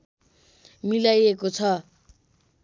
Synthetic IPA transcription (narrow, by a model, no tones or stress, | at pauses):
milajekot͡sʰʌ